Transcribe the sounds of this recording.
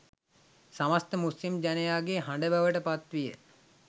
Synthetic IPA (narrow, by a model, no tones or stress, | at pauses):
samast̪əmuslimd͡ʑænəjaːɡeɦaɳɖəbəʋəʈəpat̪ʋijə